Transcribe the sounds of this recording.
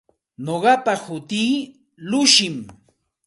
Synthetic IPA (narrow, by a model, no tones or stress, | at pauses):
noɢɑpahʊt̪iː | lʊʃɪm